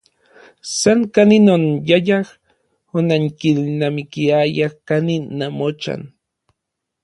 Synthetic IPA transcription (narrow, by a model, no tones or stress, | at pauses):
saŋkaninonjajax | onaŋkilnamikiajaxkaninːamot͡ʃa̰n